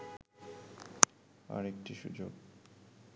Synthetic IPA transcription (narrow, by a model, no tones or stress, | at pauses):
a̰ɾek̚ʈiʃṵd͡ʑo̰ɡ